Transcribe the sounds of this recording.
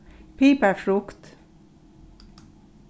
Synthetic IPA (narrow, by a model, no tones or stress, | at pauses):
pʰiːpəfɾʊkt̪